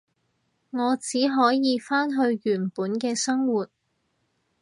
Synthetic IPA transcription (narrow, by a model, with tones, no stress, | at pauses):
ŋɔː˨˧t͡siː˨˥ɦɔː˨˥jiː˨˧faː˥nɦɵ˧ɥjyː˨˩npuː˨˥nkɛː˧sɐ˥ŋwuː˨t̚